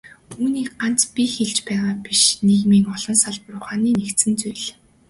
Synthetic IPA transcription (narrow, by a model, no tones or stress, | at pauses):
uːniːk̚ɢan̥t͡spʲixeɮt͡ɕpæːʁaːpiʃneɣmiːŋɔɮɞ̆nsaɮprʊχaːniːnekt̪sɘ̆nt͡sujɮ